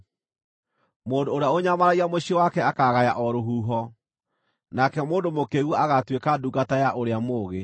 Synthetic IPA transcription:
moːndoːɾeaoɲamaɾaiamoɕiewakɛakaɣajaʔɔɾoɦuːɦɔ | nakɛmoːndomokeɣɔaɣatwekaduɡatajaʔoɾeamoːɣe

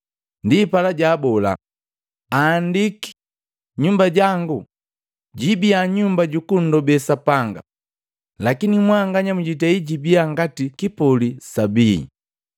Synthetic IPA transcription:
ndipalaɟaːbɔla̰ | aːndiki̥ | ɲumbaɟaŋɡu | ɟibiaɲumbaɟukun̩dɔbɛsapaŋɡa̰ | lakinimwaŋɡaɲamuɟitaiɟibiaŋɡatikipɔlisabiḭ

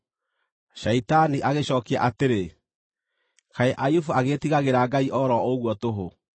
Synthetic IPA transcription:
ɕaitaniʔaɣeɕɔːkia̰ʔateɾe | kaeʔajufuaɣetiɣaɣeɾaɡaiʔɔɾɔoɣwɔtoɦo

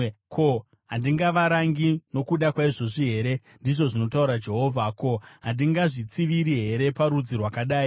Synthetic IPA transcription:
kʰo̞ | ɦandiŋɡaʋaɾaŋɡino̞kuɗakwaiʐo̞ʐiɦe̞ɾe̞ | ndiʐo̞ʐino̞tauɾad͡ʒe̞ɦo̞ːvʱako̞ɦandiŋɡaʐit͡siʋiɾiɦe̞ɾe̞paɾud͡zirwakaɗaːi

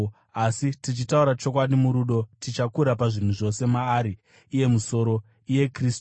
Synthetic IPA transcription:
asitit͡ʃitauɾat͡ʃo̞k̬waɗimuɾuɗo̞tit͡ʃakuɾapaʐin̤uʐo̞se̞maːɾiː | je̞muso̞ɾo̞ | ije̞kriːstu̥

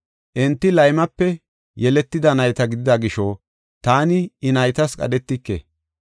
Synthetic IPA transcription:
ʔɛnt̪ːɪlɐjmɐpːɛ | jɛlɛt̪ːɪd̪ɐnɐjt̪ɐɡɪd̪ɪd̪ɐɡɪʃo | t̪aːnɪːnɐjt̪ɐskʼɐ̰d̪ɛt̪ːɪkːḛ

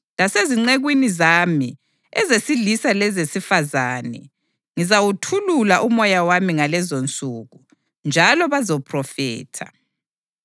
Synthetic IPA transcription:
laseziŋ͡ǀeɣwinizaːmi | ɛzesilisalɛzesifazaːnɛ̰ | ŋizawutʰululaʔumɔjawamiŋalɛzont͡sʼuɣu | nd͡ʒʱalɔβazɔpʰrɔfɛ̰ːtʰa

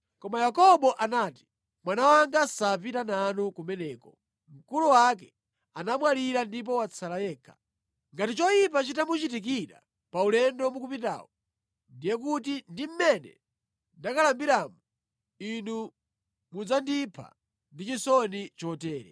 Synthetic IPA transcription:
kɔmajakɔɓɔʔanaːti̥ | mwanawaŋɡasapitanaːnukumɛnɛːkɔ | m̩kuluwakɛ | anamwaliɾandip̬ɔwat͡sʰalajɛːkʰḁ | ŋɡatit͡ʃɔjip̬at͡ʃitamut͡ʃitik̬iɾa̰ | paulɛndɔmukupita̰ːwɔ | ndijɛk̬ut̬indim̩mɛnɛ̰ | ndakalambiɾaːmu | inu | mud͡zandipʰa̰ | ndit͡ʃisɔnit͡ʃɔtɛːɾɛ̰

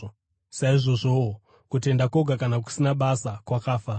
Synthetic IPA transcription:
saiʐo̞ʐoo | kute̞ndakoɡʱakanak̬u̥sinaɓasakwakaːfa

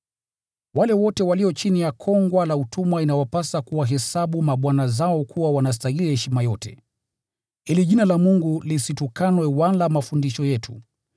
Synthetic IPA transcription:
walɛwɔtɛwaliɔt͡ʃinijakʰɔŋɡwalautumwainawapasakuwaɦɛsaɓumaɓwanazaɔkʰuwawanas̬taɦilihɛʃimajɔtɛ̰ | iliʄinalamuŋɡulisitukanwɛwalamafundiʃɔjɛtʰṵ

